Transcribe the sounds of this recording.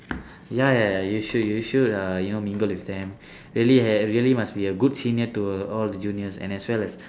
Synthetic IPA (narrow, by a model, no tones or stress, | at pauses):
jajajuʃudjuʃudʌjunomĩŋɡəlwifd̪ɛ̃m | ɹiəliɛɹiəlimasbiəɡudsĩnətuɔldəd͡ʒũniəsɛ̰̃nɛswɛlɛs